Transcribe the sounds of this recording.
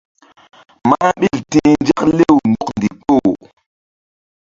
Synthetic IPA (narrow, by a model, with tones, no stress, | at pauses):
ma˦ɓi˦˨ltĩ˦nd͡ʒa˦kle˦˨wndu˨kndi˨k͡po˦˨